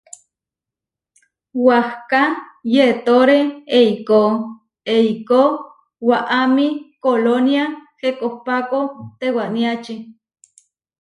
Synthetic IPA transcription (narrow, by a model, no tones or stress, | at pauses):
wahkajet̪oɾeejko | ejko | waʔamikolonjahekohpakot̪ewaʔniat͡ʃi